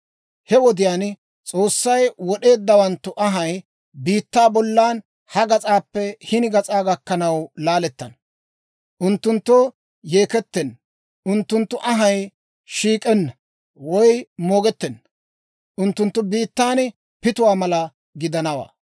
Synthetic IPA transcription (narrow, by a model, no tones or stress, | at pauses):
hɛwɔd̪ɪjaːn | t͡sʼo̞ːsːɐjwɔɗe̞ːd̪ːɐwɐnt̪ːʊʔɐɦɐj | biːt̪ːaːbɔlːaːn | hɐɡɐt͡sʼaːpːɛhɪnɪɡɐt͡sʼaːɡɐkːɐnɐwlaːlɛt̪ːɐn | ʔʊnt̪ːʊnt̪ːɔ | je̞ːkɛt̪ːɛnː | ʊnt̪ːʊnt̪ːʊʔɐɦɐj | ʃiːkʼɛnːɐ | wɔjmoːɡɛt̪ːɛnː | ʔʊnt̪ːʊnt̪ːʊbiːt̪ːaːn | pɪt̪ʊwaːmɐlɐ | ɡɪd̪ɐnɐwa̰ː